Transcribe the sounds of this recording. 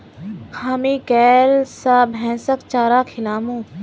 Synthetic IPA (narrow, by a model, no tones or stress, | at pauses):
kʰaːmikɛːlsabʱɛ̃ːsəkt͡ʃaːɾaːkʰɪlaːmũː